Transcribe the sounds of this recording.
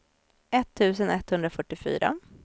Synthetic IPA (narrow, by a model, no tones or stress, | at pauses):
ɛt̪ʰːʉ̟ːsənɛt̪ːhɵnd̪ɾafœʈːɪfy̰ːɾa̰